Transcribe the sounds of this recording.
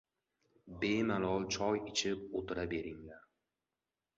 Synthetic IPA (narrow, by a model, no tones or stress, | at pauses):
bemalˠɒlˠt͡ʃʰɒjɪt͡ʃʰɪp̚ot̪ʰɪɾabe̞ɾɪŋlaɾ